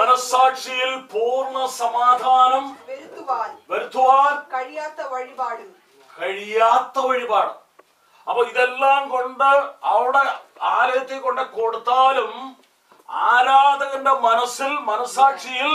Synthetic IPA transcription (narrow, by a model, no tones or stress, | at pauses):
mɐnɐsaːkʂijilpoːrnːɐsɐmaːd̪ʱaːnɐmʋɐɾt̪ʰːuʋaːlʋɐɾut̪ʰːuʋaːnkɐɻijaːt̪ːɐʋɐɻibaːɽ | kɐɻijaːt̪ːɐʋɐɻibaːɽɐm | ɐpːɐiðelːaːmko̞ɳɖɨɐʋiɽe̞aːlɐjɐt̪ːikːo̞ɳɖɨko̞ɽut̪ːaːlum | a̰ːɾaːd̪ɐɣɐnɖemɐnɐsːilmɐnɐsaːkʂijil